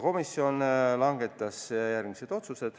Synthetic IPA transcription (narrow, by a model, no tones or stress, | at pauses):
ko̞misːio̞nlɑŋɡe̞t̪ːˑɑsjærɡ̥mise̞d̪̥o̞t̪suse̞d̪̥